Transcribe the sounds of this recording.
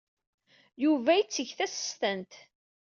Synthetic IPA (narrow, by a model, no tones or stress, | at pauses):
juvæjit͡sːəʝθæsə̥st̪ənt̪